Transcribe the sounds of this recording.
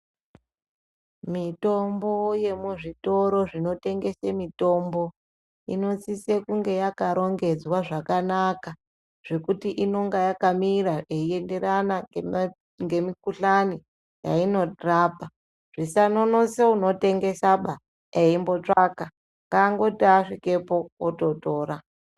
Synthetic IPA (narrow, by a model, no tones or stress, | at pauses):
mito̞mbo̞je̞muʐito̞ɾo̞ʐino̞te̞ŋɡe̞semito̞mbo̞ | ino̞t͡sisekuŋɡe̞jakaɾo̞ŋɡe̞d͡zwaʐakanaka | ʐ̥e̞kutiʔino̞ŋɡajakamiɾaeie̞nde̞ɾana | ŋɡe̞mikuɬani | ja̰ino̞raːpa | ʐ̥isano̞noseuno̞te̞ŋɡe̞saɓa | eimbo̞t͡ʂaka | ŋɡaŋɡo̞taʂike̞po̞ːto̞to̞ːɾa